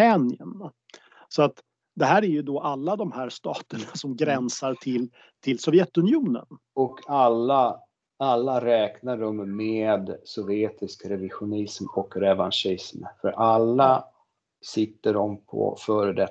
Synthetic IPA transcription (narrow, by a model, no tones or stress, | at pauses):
ɛnɪən | sɔat̪ | d̪ɛɦæːɾæɾjɵd̪ɔʔalːad̪ɔmhæːɾʂt̪ɑːt̪əɳasɔmɡɾɛnsaɾʈʰɪl | t̪ʰɪlsɔvjɛt̪ːɵnɪuːnə̰n | ɔkʰalːa | alːaɾɛːknaɖɔmːeːd̪sɔvɪeːt̪ɪskɾɛvɪɧʊnɪsmɔkɾɛvanʂɪsmfœɾʔalːa | sɪt̪ːəɖɔmpʰɔ̰fœːɾəd̪ɛ